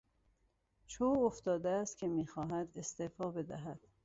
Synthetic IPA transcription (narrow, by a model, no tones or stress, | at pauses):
t͡ʃʰoːoft̪ɒːd̪eæst̪̚cʲʰe̞miːxɒːɦæd̪e̞st̪efɒːbe̞d̪æ̰ɦæd̪̥